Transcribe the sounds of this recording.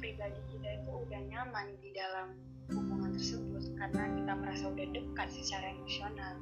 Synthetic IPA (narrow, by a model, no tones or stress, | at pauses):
pɾibadikit̪ait̪uːdahɲamandidalam | mumuŋant̪ərsəbʊt̪̚karənakit̪aməɾasaudahdəkat̪̚sət͡ʃaɾaemosional